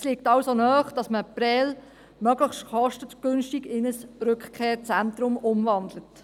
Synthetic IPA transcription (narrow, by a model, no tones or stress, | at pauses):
ɛsliːk̚tɑwsonœːχd̥ɑsməpɾɛːl | mœɡləχʃtχɔʃtəɡ̥ʏnʃtiɡɪnəsɾʏkχkʰeːɾt͡sɛntɾʊmʊmvɑndlət